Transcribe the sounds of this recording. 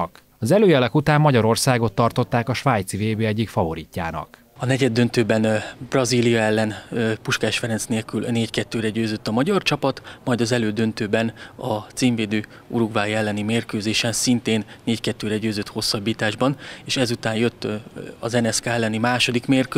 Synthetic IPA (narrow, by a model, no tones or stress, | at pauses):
k | ɒzɛløːjɛlɛkut̪aːmːɒɟɒɾo̞rsaːɡo̞t̪ːɒrt̪o̞t̪ːaːkɒʃʋaːjt̪siveːbeːɛɟːikfɒvo̞ɾiːcːa̰ːnɒ̰k | ɒnɛɟɛd̪ːø̞nt̪øːbɛnbrɒziːlijɒɛlːɛnpuʃkaːʃfɛɾɛnsneːlkylneːckɛt̪ːøːɾɛɟøːzøt̪ːɒmɒɟɒrt͡ʃɒpɒt̪mɒjd̪ɒzɛløːd̪ø̞nt̪øːbɛnɒt̪siːɱveːd̪øː | uɾuɡvaːjɛlːɛnimeːrkøːzeːʃɛnsint̪eːnːeːckɛt̪ːøːɾɛɟøːzøt̪ho̞sːɒbːiːt̪aːʒbɒneːʃɛzut̪aːnjøt̪ːɒ̰zɛnɛskaːɛlːɛnimaːʃo̞d̪ikmeːrkø